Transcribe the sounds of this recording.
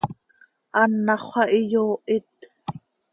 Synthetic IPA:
ʔɑnːɑχʷɑʔijoːʔɪt̪

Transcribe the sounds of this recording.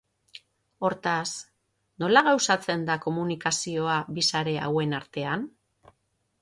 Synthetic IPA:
o̞ɾt̪as | no̞laɣawsat͡se̞nd̪ako̞munikasio̞abisaɾe̞a̰we̞naɾt̪e̞an

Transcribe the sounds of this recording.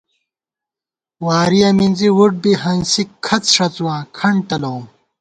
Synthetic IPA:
waːɾijɐmind͡ziwuʈ̚biɦɐnsikʰɐt͡sʂɐt͡swãːkʰɐɳɖʈɐlɐũm

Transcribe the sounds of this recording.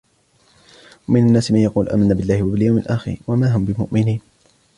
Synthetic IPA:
wamɪnanːaːsɪmanjɑquːlʔa̰ːmanːaːbɪlːaːhɪwabɪljawmɪlʔaxɪ̰ɾwamaːɦʊmbɪmʊ̰ʔmɪniːn

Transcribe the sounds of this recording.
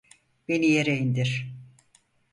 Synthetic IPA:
b̥enijeɾejind̪iɾ̥

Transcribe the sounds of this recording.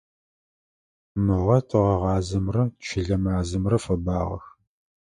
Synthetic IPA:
mɨʁɐtʰɨʁɐʁɑːzɐmrɐt͡ʃʰɪɮɐmaːzɨmrɐfɐbaːʁɐ̰x

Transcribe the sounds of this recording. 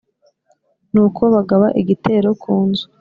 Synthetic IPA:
nuːkʰo̞βaɡaβa̰ʔiɟitʰe̞ːɾo̞kʰuːnzu̥

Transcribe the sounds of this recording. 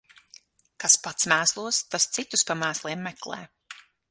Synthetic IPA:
kaspat̪smæːslˠuɔst̪ast̪sit̪uspamæːslˠiɛmːɛklˠɛ̰ː

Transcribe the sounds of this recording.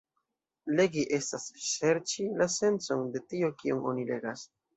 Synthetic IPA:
le̞ɡiʔe̞stasʃe̞ɾt͡ʃilase̞nt͡so̞nde̞tiokiuŋo̞̰nile̞̰ɡas

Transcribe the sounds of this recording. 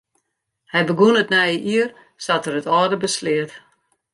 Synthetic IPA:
hɛjbəɡunətnɛjəʔiər | satərətɔːdəbəslɪət

